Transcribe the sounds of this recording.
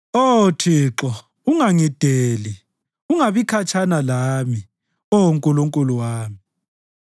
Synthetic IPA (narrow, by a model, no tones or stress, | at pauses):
otʰiːǁɔ | uŋaŋid̥ʱeːli | uŋaβikʰat͡ʃʰʼanalami | ɔwoŋkʼuluŋkʼuluwaːmi